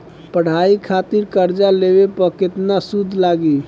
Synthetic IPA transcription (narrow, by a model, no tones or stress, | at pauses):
pəɽ̤aikʰat̪iɾkəɾd͡ʒaleβepəket̪nasud̪ʱlaɡi